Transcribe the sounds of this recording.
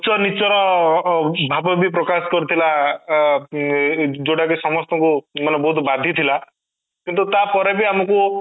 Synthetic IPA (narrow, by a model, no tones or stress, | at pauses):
t͡ʃɔnit͡ʃɔɾɔ | bʱabɔbipɾɔkaskɔɾut̪ʰila | d͡ʒoɽakisɔmɔst̪ɔŋkumanɔbɔɦut̪bad̪ʱjit̪ʰila | kint̪̬ut̪apɔɾebiamɔku